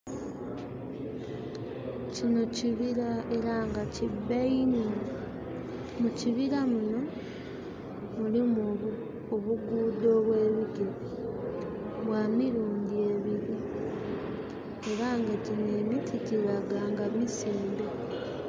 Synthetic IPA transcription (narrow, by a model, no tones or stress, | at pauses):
cino̞ciβiɾae̞ɾaŋɡacibeini | muciβiɾamuno̞ | mulim | oβuɡuːdo̞ːβwe̞ːβiɟo | βwaːmiɾuːndie̞βiɾi | eɾaːŋɡacine̞ːmitʰiciɾaɡaːŋɡamiseːmbe